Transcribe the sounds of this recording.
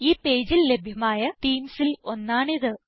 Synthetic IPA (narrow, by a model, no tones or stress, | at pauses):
iːpe̞ːd͡ʑille̞bʱjɐmaːjɐt̪iːmsilo̞nːaːɳiðɨ